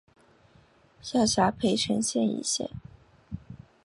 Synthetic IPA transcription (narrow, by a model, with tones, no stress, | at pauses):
ɕjɑ˥˩ɕja˧˥pʰe˧˥ɪʈ͡ʂʰə˧˥nɕjɛ˥˧nḭ˧˩ɕjɛ̰˥˩n